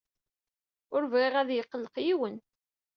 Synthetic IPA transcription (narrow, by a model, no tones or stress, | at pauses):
ʊɾvʁiʁæðjəqːlːəqjiwən